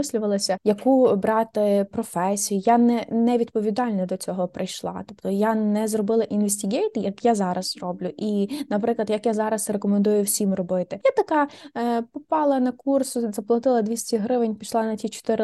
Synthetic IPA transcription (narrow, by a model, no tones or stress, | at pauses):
ɪsʲlʲʊʋɐlˠɐsʲɐjɐkubɾɑt̪ɪpɾɔfɛsʲijʊjanɛnɛʋʲid̪pɔʋʲid̪ɑlʲnɔd̪ɔt͡sʲɔɦɔpɾɪjʃlˠɑ̰t̪ɔpt̪ɔjanɛzrɔbɪlˠɐʔinʋesʲtʲiɡʲɛjt̪jɐkjazɑɾɐz̥ɾɔblʲʊʔinɐpɾɪklˠɐd̪jɐkjazɑɾɐsɾekɔmend̪ujʊwsʲimrɔbɪt̪ɪjat̪ɐkɑpɔpɑlˠɐnɐkursʊzɐplˠɐt̪ɪlˠɐd̪ʲʋʲisʲtʲiɦɾɪʋɪnʲpʲiʃlˠɑnɐtʲit͡ʃɔ̥t̪ɪɾɪ